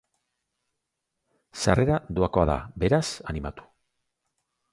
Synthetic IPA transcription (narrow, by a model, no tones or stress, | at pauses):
sare̞ɾad̪uako̞aða̰be̞ɾasanimat̪u̥